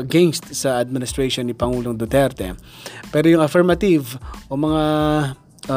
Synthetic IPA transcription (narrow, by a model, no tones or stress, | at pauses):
ɐɡɛnst̪sɐɐd̪̚mɪnɪst̪ɾejʃonːipɐŋuːloŋd̪ot̪ɛɾt̪ɛ̰ | pɛːɾojʊŋɐlfɛɹmɐt̪ivʔomɐŋa